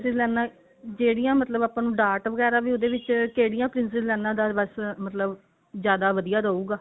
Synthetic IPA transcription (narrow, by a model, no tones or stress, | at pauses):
sɪzlɛːnãː | d͡ʒeːɽijãːmət̪ləbaːpãːnũːɖaːɾʈʋəɡɛːɾaːʋiːoːd̪eːʋɪt͡ʃkeːɽijãːpɾɪnsɪzlɛːnãːd̪aːbəsmət̪ləb | zjaːd̪aːʋəd̪ijaːɾəːuːɡaː